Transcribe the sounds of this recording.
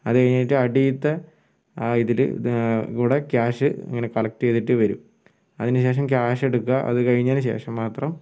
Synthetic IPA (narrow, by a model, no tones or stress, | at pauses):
ɐðɨkɐɻiɲːaːjiʈːɨɐɽiːt̪ːɐ | iðil̰kuːɽekaːʂɨḭŋːɐne̞kɐɭɐk̚ʈːɨet̪ːiʈːɨʋɐɾum | ɐðinɨɕe̞ːʂ̬ɐmkjaːʂe̞ɽukːɐʔɐ̰ðɨkɐɻiɲːaːlɨɕ̬e̞̰ːʂɐmːaːt̪rɐm